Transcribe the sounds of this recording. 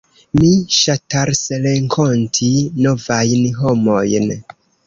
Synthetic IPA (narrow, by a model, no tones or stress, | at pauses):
miʃataɾsɾeŋkʰontʰino̞vajnɦo̞mo̞jn